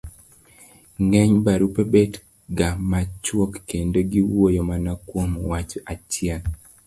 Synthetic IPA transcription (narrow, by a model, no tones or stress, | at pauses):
ŋɛɲbaɾupebet | ɡamat͡ʃwɔkːendoɡiwojomanakwomwat͡ʃat͡ʃjɛl